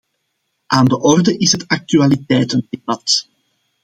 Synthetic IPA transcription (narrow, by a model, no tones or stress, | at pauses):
ʔaːndəʔɔrdəʔɪsɦətak̚tyaːlitɛjtəndebɑt